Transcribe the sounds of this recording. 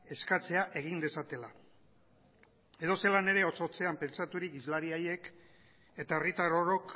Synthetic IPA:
e̞skat͡se̞aʔe̞ɣ̞ind̪e̞sat̪e̞la | e̞ðo̞se̞lane̞ɾe̞o̞t͡so̞t͡se̞ampe̞nt͡sat̪uɾikizlaɾiaje̞k | e̞t̪aerit̪aɾo̞ɾo̞k

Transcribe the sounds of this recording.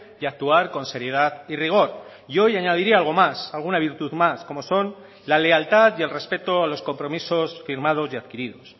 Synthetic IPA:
iak̚t̪uaɾko̞nse̞ɾje̞ð̞aðiriɣ̞o̞ɾ | io̞jaɲað̞iɾiaalɣ̞o̞masalɣ̞unaβ̞iɾt̪uðmasko̞mo̞so̞n | lale̞alt̪aðje̞lre̞spe̞t̪o̞alo̞sko̞mpɾo̞miso̞sfiɾmað̞o̞zjaðkiɾiðo̞s

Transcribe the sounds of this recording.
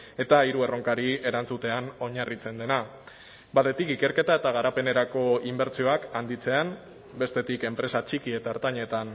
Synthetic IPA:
e̞t̪aiɾue̞ro̞ŋkaɾie̞ɾant͡sut̪e̞ano̞ɲarit͡se̞nd̪e̞na | baðe̞t̪ikike̞ɾke̞t̪aet̪aɣ̞aɾape̞ne̞ɾako̞imbe̞ɾt͡sio̞akand̪it͡se̞an | be̞st̪e̞t̪ike̞mpɾe̞sat͡ʃikie̞t̪aeɾt̪aɲe̞t̪an

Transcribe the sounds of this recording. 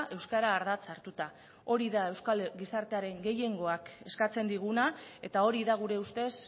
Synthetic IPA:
e̞wskaɾaːɾð̞at͡saɾt̪ut̪a | o̞ɾiðae̞wskalɡisaɾt̪eaɾe̞ŋɡe̞je̞ŋɡo̞ake̞skat͡se̞nd̪iɣ̞unae̞t̪ao̞ɾiðaɣ̞uɾe̞ust̪e̞s

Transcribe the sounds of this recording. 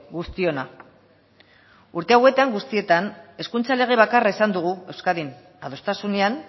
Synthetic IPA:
ɡust̪io̞na | uɾt̪e̞awe̞t̪aŋɡust̪ie̞t̪ane̞skunt͡sale̞ɣ̞e̞β̞akaraesand̪uɣ̞ue̞wskaðin | aðost̪asunean

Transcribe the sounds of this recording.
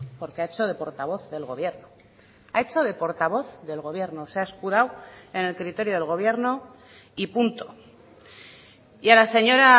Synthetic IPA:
po̞ɾkeaet͡ʃo̞ðe̞po̞ɾt̪aβ̞o̞θðe̞lɣo̞βje̞ɾno | ae̞t͡ʃo̞ðe̞po̞ɾt̪aβ̞o̞θðe̞lɣo̞β̞je̞ɾnoseaeskuð̞awe̞ne̞lkɾit̪e̞ɾjoðelɣ̞o̞β̞je̞ɾno̞ | ipunt̪o̞ | ialase̞ɲo̞ɾa

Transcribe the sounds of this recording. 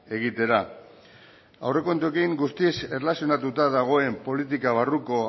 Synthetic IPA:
e̞ɣit̪e̞ɾa | a̰wre̞ko̞nt̪ue̞kiŋɡust̪iese̞relasio̞nat̪ut̪aðaɣ̞o̞e̞mpo̞lit̪̬ikaβ̞aruko̞

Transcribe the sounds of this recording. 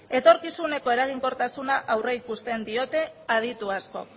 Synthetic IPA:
e̞t̪o̞ɾkisune̞ko̞e̞ɾaɣ̞iŋko̞ɾt̪asunaʔawreikust̪e̞nd̪io̞t̪e̞að̞it̪uasko̞̰k

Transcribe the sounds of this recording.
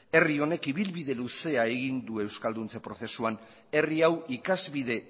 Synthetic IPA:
e̞rio̞ne̞kiβ̞ilβiðe̞luse̞ae̞ɣ̞ind̪ue̞wskald̪unt͡sepɾo̞θe̞suan | e̞riawikazβið̞e̞

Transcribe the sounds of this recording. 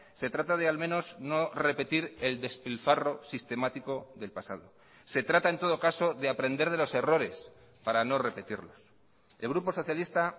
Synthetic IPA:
se̞t̪ɾat̪að̞e̞almẽ̞no̞zno̞re̞pe̞t̪iɾe̞ld̪e̞spilfaro̞sist̪e̞mat̪iko̞ðe̞lpasa̰ð̞o̞̰ | se̞t̪ɾat̪ae̞nt̪o̞ð̞o̞kaso̞ðe̞apɾe̞nd̪e̞ɾð̞e̞lo̞se̞ro̞ɾe̞s | paɾano̞re̞pe̞t̪iɾlo̞̰s | elɣ̞ɾupo̞so̞θjalist̪a

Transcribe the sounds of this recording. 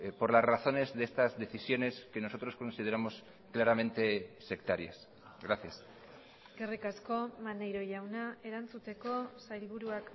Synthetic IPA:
po̞ɾlasraθo̞ne̞zðeest̪azðe̞θisjo̞ne̞ske̞no̞so̞t̪ɾo̞sko̞nsið̞eɾamo̞s | klaɾamẽ̞nt̪e̞se̞k̚t̪aɾjas | ɡɾaθjas | ɡerikasko̞manejɾo̞ʝawnae̞ɾant͡sut̪e̞ko̞sajlβuɾuak

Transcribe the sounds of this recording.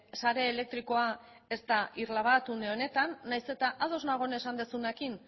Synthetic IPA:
saɾe̞ːlek̚t̪ɾiko̞a | e̞st̪aiɾlaβat̪und̪eone̞t̪anːajse̞t̪aʔað̞o̞znaɣ̞o̞ne̞sand̪esunekin

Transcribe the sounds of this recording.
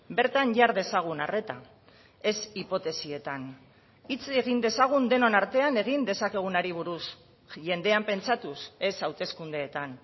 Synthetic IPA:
be̞ɾt̪aɲʝaɾðe̞saɣ̞unare̞t̪a | e̞sipo̞t̪e̞sie̞t̪an | it͡seɣind̪e̞saɣ̞und̪e̞no̞naɾt̪e̞ane̞ɣ̞ind̪e̞sake̞ɣ̞unaɾiβ̞uɾus | ʝe̞nd̪e̞ampe̞nt͡sat̪use̞sawt̪e̞skund̪e̞ːt̪an

